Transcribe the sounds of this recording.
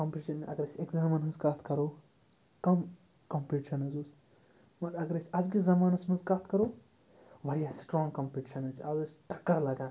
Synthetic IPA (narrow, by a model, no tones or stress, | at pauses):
kɐmpʲiʈʃɐnʔɐ̰ɡɐɾɐsʲeɡzaːmɐnɦɐnzkɐt̪ʰkɐɾoː | kɐm | kɐmpiʈiʃɐnɐzoːs | mɐnɐɡɐɾɐsʰʲɐzɡizɐmaːnɐsmɐnzkɐt̪kɐɾoː | ʋɐɾijaːsʈɾõːŋɡkɐmpʲiʈiʃɐnɐt͡ʃʰɐzusʈɐkːɐɾlɐɡaː